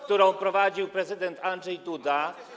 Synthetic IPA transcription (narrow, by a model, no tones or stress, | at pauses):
kt̪uɾɔ̃w̃pɾɔvad͡ʑiwpɾɛzɘd̪ɛnt̪ʰanʐɛjt̪ud̪a